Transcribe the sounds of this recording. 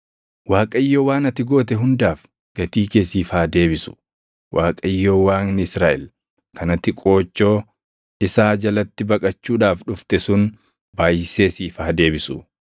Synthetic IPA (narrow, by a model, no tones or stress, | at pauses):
waːkʼɐjːoːwaːnɐt̪ɪɡo̞ːt̪̬ɛɦʊnd̪aːf | ɡ̥ɐt̪iːkeːsiːfaːd̪e̞ːbɪsʊ̥ | wʔaːkʼɐjːoːwaːnnɪsɾaːʔɛ̰l | kɐnɐt̪ɪkʼo̞ːt͡ʃːo̞ː | ɪsaːd͡ʒɐlɐt̪ːɪbɐkʼɐt͡ʃːuːᶑaːfᶑʊft̪ɛsʊn | baːjɪseːsiːfaːd̪e̞ːbɪsʊ